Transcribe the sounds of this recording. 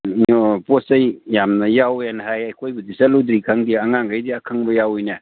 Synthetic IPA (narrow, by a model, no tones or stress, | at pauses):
ɔposɐjjamnɐjawjanaɦajɐjkʰojbudisaludɾikʰaŋdiaŋaŋɡajdiakʰaŋbɐjawɔjna